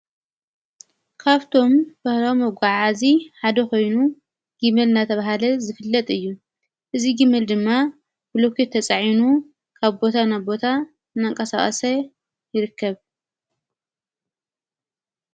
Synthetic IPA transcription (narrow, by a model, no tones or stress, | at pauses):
kʰaβt̪ʰo̞mbɐhɾomːɐɡʷaʕaziħad̪ɐko̞jnu | ɡ̥ɨmɨlnat̪ʰɐβaɦalɐzɨfɨlːɐt̪ʼɨjːu | ʔɨziɡimːɨld̪ɨmːa | bloket̪ʰːɐt͡sʼaʕinu | kʰaβbo̞t̪ʰanajbo̞t̪ʰa | ɨnːaŋkʼɐsaχʼɐ̰sɐ | jɪɾɨkːɐβ